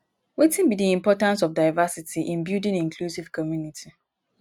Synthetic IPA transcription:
wetĩnbidiĩmpɔtãnsɔfdaɪvasitʰiʔĩnbjudĩnĩŋkʰlusiv̥kʰɔmjunitʰi

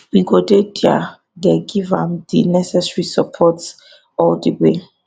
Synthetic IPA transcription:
wiɡodedia̰ | dɛɡivã̰mdinɛsɛsɹisapʰɔts | ɔldəwe

